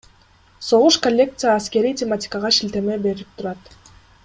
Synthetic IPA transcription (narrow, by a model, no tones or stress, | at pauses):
so̞ʁuʃkolʲːe̞k̚t̪sɨjaːske̞ɾijtʲematʲɪ̥kɑʁɑʃilt̪e̞me̞be̞ɾip̚t̪ʰuɾɑt̪